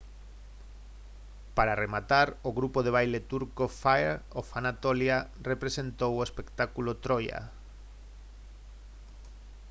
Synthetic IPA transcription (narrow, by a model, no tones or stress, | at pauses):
paɾaremat̪aɾoɣɾupoð̞eβ̞ajlet̪uɾkofaeɾofanat̪olja | repɾesent̪owoespekt̪akulot̪ɾoja̰